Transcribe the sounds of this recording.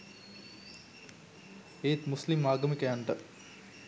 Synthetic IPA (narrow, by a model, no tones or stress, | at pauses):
eːt̪muslimaːɡəmikəjaɳʈə